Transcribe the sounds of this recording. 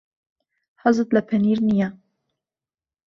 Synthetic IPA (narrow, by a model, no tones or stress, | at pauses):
hɑzɨt̪lɛpʰɛniːɾnija